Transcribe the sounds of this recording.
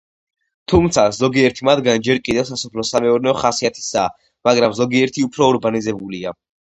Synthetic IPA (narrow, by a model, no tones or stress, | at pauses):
t̪ʰumt̪sʰazɔɡiɛɾt̪ʰimad̪ɡand͡ʒɛɾkʼid̪ɛwsasɔpʰlɔsamɛɔɾnɛɔχasiat̪ʰi̥saː | maɡɾamzɔɡiɛɾt̪ʰiupʰɾɔːɾɡanizɛbulia